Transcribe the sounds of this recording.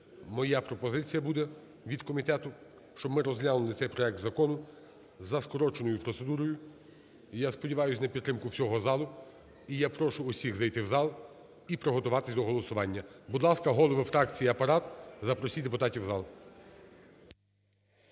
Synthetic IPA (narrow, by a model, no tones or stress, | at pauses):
mɔjapɾɔpɔzɪt͡sʲijɐbud̪ɛ | ʋʲid̪kɔmʲit̪ɛt̪ʊ | ʃt͡ʃɔmɪɾɔzlʲanʊlˠɪt̪sɛjpɾɔɛk̚t̪zɐkɔnʊ | zɐskɔɾɔt͡ʃenɔjʊpɾɔt̪se̞d̪uɾɔjʊ | jaspɔdʲiʋɑjʊsʲnɐpʲidt̪ːɾɪmkʊwsʲɔɦɔzɑlˠʊ | ijapɾɔʃʊːsʲiɣzɐjt̪ɪwzɑlˠ | ipɾɔɦɔt̪ʊʋɑt̪ɪsʲd̪ɔɦɔlˠɔsʊʋɑnʲːɐbud̪lˠɑskɐɦɔlˠɔʋɪfɾɑk̚t͡sʲijiɐpɐɾɑt̪zɐpɾɔsʲid̪epʊt̪ɑtʲiwzɑlˠ